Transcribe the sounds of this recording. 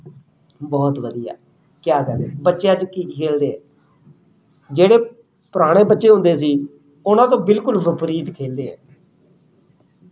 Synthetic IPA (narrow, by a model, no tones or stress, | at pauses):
bɔːt̪ʋəd̪ija̰ː | kjaːkɛːd̪eːbətːʃjãːt͡ʃkiːkʰeːld̪eːɛ̃ː | d͡ʒeːɽeː | pʊɾaːɽ̃eːbətːʃeːɦʊ̃nd̪eːsiː | ʊnãːt̪̬õːbɪlkʊlbəpɾiːd̪kʰeːld̪eːɦɛ̰̃ː